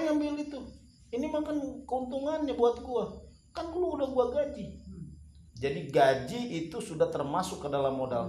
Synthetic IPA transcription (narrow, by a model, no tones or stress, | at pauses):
ŋambɪlit̪u | inimakankəunt̪uŋanɲabuat̪̚ɡua | kankuluudahɡuaɡad͡ʒi | d͡ʒadiɡad͡ʒiit̪usudaht̪ərmasʊkːədalamːoda̰l